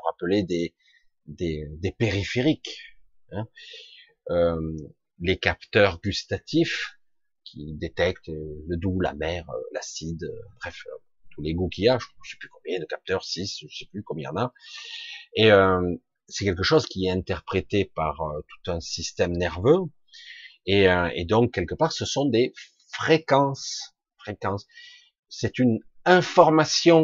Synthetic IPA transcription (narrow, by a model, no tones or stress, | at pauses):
ʁapəled̪e | d̪ed̪epeʁifeʁik | ɛ̃ | ø | lekapt̪œʁɡyst̪at̪ʰif | kʲʰid̪et̪ɛk̚t̪ləd̪ula̰mɛʁə̰la̰sid̪bʁɛf | t̪ʰuleɡukʲiaʒəʒəsɛ̥plykɔ̃mbjɛ̃d̪əkap̚t̪œʁsisʒəsɛ̥plykɔmjɛ̃ɑ̰̃na | eøm | sɛkʲɛlk̬əʃozkʲiɛt̪ɛ̃t̪ɛʁpχet̪epaʁøt̪u̥t̪ɛ̃sist̪ɛmnɛʁvø | eøḛd̪ɔ̃kːɛlkəpaʁsəsɔ̃d̪e | fχekɑ̃s | fχekɑ̃sː | ɛt̪ynɛ̃fɔʁmasjɔ̃